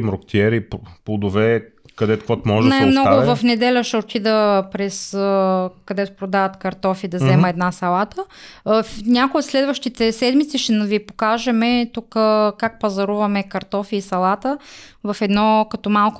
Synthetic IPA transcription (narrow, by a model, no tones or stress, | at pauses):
mɾokt̪iɛɾipplˠod̪ʊvɛ | kɐd̪ɛt̪kɔt̪mɔʒnamnɔɡʊvɐfnɛd̪ɛlʲəʃɛot̪id̪əpɾɛsəkɐd̪ɛt̪ʊ̥pɾod̪avɐt̪kɐɾt̪ɔfid̪ɐzɛməɛd̪nasɐlˠat̪əfnʲakojot̪slɛd̪vəʃt̪it̪ɛsɛd̪mit̪siʃɛnvipokaʒɛmɛt̪ukəkak̚pɐzɐɾuvɐmɛkɐɾt̪ɔfiːsɐlˠat̪əvɐfɛd̪nɔkɐt̪ɔmalˠk